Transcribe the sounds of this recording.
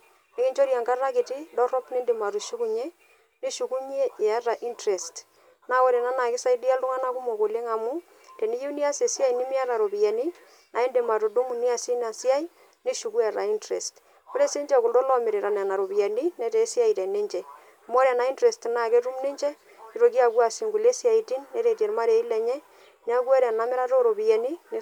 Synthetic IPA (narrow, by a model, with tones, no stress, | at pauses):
ne˦kɪ˦ɲt͡ʃo˦ɾja˨ŋka˦ra˦kɪ˨tɪ˦dɔ˦rɔ˦pne˦ndɪ˨ma˨tu˨ʃu˦ku˦ɲɛ˦ | ne˦ʃu˨ku˦ɲ˦e˦e˨a˦ta˨ʔi˦ntɾe˨st | na˦wo˦ɾe˨na˦na˨kɪ˦sa˦i˦di˦a˦ltʊ˦ŋa˦na˦ku˦mo˨ko˨le˦ŋa˨mu˦ | tɛ˨ni˦je˦ni˦a˦se˨sɪ˦a˦i˨nɪ˦mɪ˦a˦ɾa˨ɾo˨pi˨ja˨ni˦ | nʔa˨ɪ˦nde˨ma˨to˨do˦ŋ˨ni˦a˦˨si˦na˨sɪ˦a˦i˦ | ni˦ʃu˨ku˦ɛ˨ɾa˨i˦ntɾɛ˨st | ko˦ɾe˦se˦ɲd͡ʒɛ˨ku˨do˦lɔ˦mɪ˨ɾe˨ɾa˨na˨na˨ɾo˨bi˨ɛ˨ni˦nɛ˨˦teː˨˦si˦a˦i˨tɛ˨ne˦ɲt͡ʃɛ˨ | mo˦ɾɛ˨na˨˦i˦ntɾɛ˨stna˦˨ke˦tu˦mni˦ɲt͡ʃɛ˦ | ki˦ɾo˨ki˦a˨kwa˨si˨ŋɡu˨le˦si˦a˨i˨ti˦nːɛ˦ɾe˨tje˨ɾma˦ɾe˨˦i˦lɛ˨ɲɛ˦ | n˦a˦kwɛ˦ɾɛ˨na˦mɪ˦ɾa˦to˦ɾo˨bi˨jɛ˨ni˦n˦